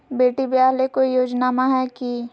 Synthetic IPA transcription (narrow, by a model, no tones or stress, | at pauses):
beːʈibjaːɦlekoijoːd͡ʒnaːmaɦɛki